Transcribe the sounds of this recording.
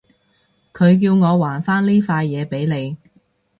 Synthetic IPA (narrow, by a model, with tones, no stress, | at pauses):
kʰɵ˨˧ɥk̬iː˧wŋɔː˨˧waː˨˩nfaː˥nliː˥faː˧jːɛː˨˧pe˨˥jne˨˧j